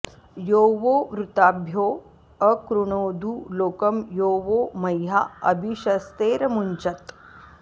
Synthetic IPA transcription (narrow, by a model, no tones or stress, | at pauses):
joːʋoːʋɾut̪aːbʱjoː | ɐkɾuɳoːd̪ʱuloːkɐmjoːʋoːmɐjɦaɐ̰bʱiʃɐst̪eːɾɐmuɲt͡ʃɐt̪